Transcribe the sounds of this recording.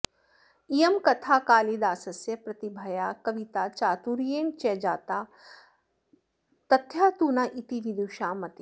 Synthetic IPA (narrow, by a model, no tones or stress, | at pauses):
ijɐmkɐt̪ʰaːkaːlid̪aːsɐsjɐpɾɐt̪ibʱɐjaːkɐʋit̪at͡ʃaːt̪uɾijeːnt͡ʃɛd͡ʒaːt̪aː | t̪ɐt̪ʰjaːt̪uːnaʔit̪iʋid̪uːʃaːmɐt̪e